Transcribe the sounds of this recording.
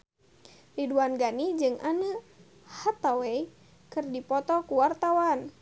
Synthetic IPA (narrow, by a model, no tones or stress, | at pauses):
riduanɡanid͡ʒɨŋʔanə | hat̪awɛi | kɨrdipɔt̪ɔkuwart̪awan